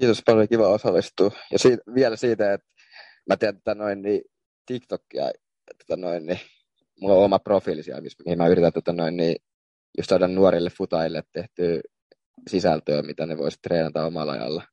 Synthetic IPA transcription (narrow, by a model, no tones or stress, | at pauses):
kiːt̪ospɑloljokiʋæosɑlːˑist̪uːjɑsiːʋiɛlæsiːt̪æet̪ | mæt̪eænt̪o̥t̪ɑnoinniː | t̪ikt̪okːiɑ̰ | t̪o̥t̪ɑnoinni | muɑomɑprofiːlisiɑ̰mismihimæyrit̪ænt̪o̥t̪ɑnoinniː | just̪ɑdɑnnuoɾilːeffut̪ɑjilːet̪t̪eht̪yː | sisælt̪øːmit̪æneʋo̰isi̥t̪t̪reːnɑt̪ɑomɑ̰lːɑ̰jɑ̰lːɑ